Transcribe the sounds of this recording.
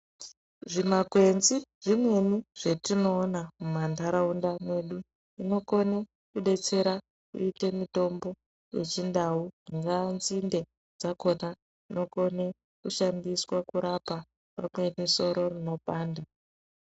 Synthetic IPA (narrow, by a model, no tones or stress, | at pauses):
ʐimakwe̞nziʐimwe̞niʐ̥etino̞ːnamumandaɾaundamwe̞ɗu | ino̞ko̞ne | kuɗe̞t͡se̞ɾa | kṵite̞mito̞mbo̞ | jet͡ʃindauŋɡanzinde̞ | d͡zako̞na | ino̞ko̞ne | kuʃandiswakuɾapa | pa̰mwe̞niso̞ɾo̞rino̞paːnda